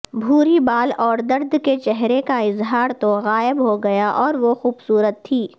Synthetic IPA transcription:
bʱuːɾibaːlɔːɾd̪ɐɾd̪ket͡ʃɛɦɾekaɪzɦaːɾt̪oɣaːɪbɦoɡɐjaʔɔːɾʋoxuːbsuːɾət̪ʰːiː

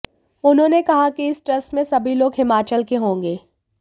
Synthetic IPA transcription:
ʊnɦõːnekɐɦakiɪsʈɾɐsmẽsɐbʱiloːɡɦɪmaːt͡ʃəlkeɦõːŋɡeː

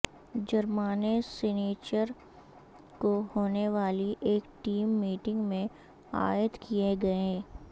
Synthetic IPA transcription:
d͡ʒɐɾmaːneseːneːt͡ʃəɾ | kohoːneʋaːliʔeːkʈiːmːiːʈɪ̃ŋɡmẽ | a̰ːjət̪kieɡɐeɦː

